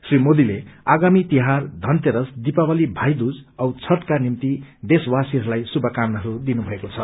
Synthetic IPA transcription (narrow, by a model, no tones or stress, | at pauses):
srimod̪ileaɡamit̪iɦard̪ʱʌnt̪eɾʌsd̪ipabʌlibʱajd̪ud͡zʌwt͡sʰʌʈ̪kanimt̪id̪eswasiɦʌɾulajsubʱʌkamnʌɦɾud̪inubʱʌekot͡sʰʌ